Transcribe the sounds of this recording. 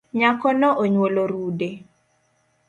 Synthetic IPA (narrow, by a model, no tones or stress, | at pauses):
ɲakɔnɔʔoɲwoloɾude